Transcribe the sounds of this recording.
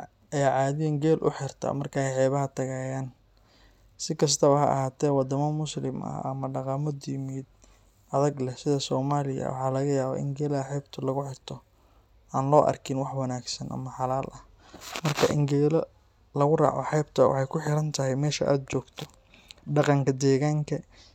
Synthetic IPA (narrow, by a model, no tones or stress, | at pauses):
ɛjʕɑːðɪjɛŋɡɛːlʔʊ̰ħɪrt̪ʰɐ̰mɐrkʰaɛjħɛːβɐɦɐt̪ʰɐɣaːjaːn | sɪkʰɐs̬t̪ʰɐβɐhɐ̰ɐ̰ɦhaːt̪ʰɛːwɑd̪ɐmɐmʊslɪmʔɐ̰ʔɐ̰mɐɖɑqɑmɔd̪jɪmiːd̪̚ | ʔɐðɐɡlɛsɪðɐsɔːmaːlɪjɐ̰wʔɑ̰ħɑːlɐɣɐjaːβɛ̰ʔɪ̰ŋɡɛːlɐɐħɛjbt̪ʰɐlɐɣʊħɪrt̪ʰɔ | ʔaːnlɔːʔɐ̰rkʰɪnwɑħwɐnaːɡsɐnʔɐ̰mɐħɑlaːlʔɐh | mɐrkʰɐʔɪ̰ŋɡɛːlɔ | lɐɣʊrɑ̰ːʕɔ̰ħɑjb̚t̪ʰɐwʔɑ̰ħɑjkʰʊħɪɾɐnt̪ʰɐɦɛjmɛːʃɐʔa̰ːd̪̚t͡ʃɔːɡt̪ʰɔ̥ | ɖɑqɑŋkʰɐd̪ɛːɣaːŋkʰɐ